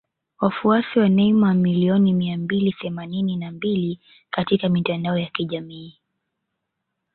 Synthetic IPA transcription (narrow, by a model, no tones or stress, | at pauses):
wafuasiwanɛimawmiliɔnimiambiliθɛmanininambili | katikamitandaɔjakiʄamiː